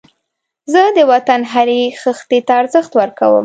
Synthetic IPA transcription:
zəd̪əwat̪anɦaɾexəxt̪et̪aːɾzəxt̪wəɾkawə̰m

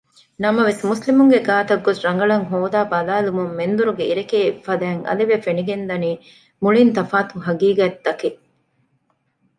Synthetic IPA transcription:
nɐmɐʋesmuslimuŋɡeɡaːt̪ɐɡːosɾɐŋɡɐɭɐŋɦoːd̪aːbɐlaːlumumːend̪uɾuɡeiɾekeːfːɐd̪æːŋɐ̰liʋefeniɡend̪ɐniː | muɭint̪ɐfaːt̪uɦɐɡiːɡɐd̪ːɐke

